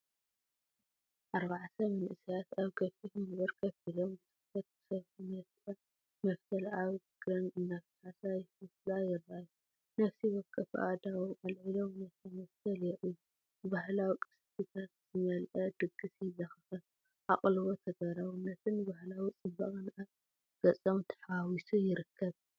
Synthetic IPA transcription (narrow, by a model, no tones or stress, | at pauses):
ʔaɾβaʕt̪ʰɐmɐnʔɨsijat̪aβkʰɐfitmɐβɐɾkʰɐfilombɨsɨ̥fɐt̪̚sɐβʰinɐt̪ɐ | mɐft̪ʰɐlaβ | ɡ̥ɾɐnɨnːaft̪ħasajɪɨflajɪraju | nɐfsiwɔkʼːɐfʔa̰d̪awuʔɐlʕilomnɐt̪ʰɐmɐft̪ʰɐljɛʔu | ɨbahlawikʼɨ̥spit̪ʰɐz̥ɨmɐlʔɐd̪ɨɡɨsjzɐxɨxɨ | ʔaχʼlɨβot̪ʰɐɡɐɾawunɐt̪ʰɨnːɨbahlawit͡sʼɨbɐχʼɨnʔat̪ | ɡ̥ɐt͡sʼomt̪ʰɐ̥ħawisujɪɾɨkʰːɐβ